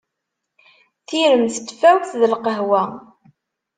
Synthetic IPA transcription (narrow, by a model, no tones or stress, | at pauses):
θiɾəmθt̪ːfæwθðəlqəɦwæ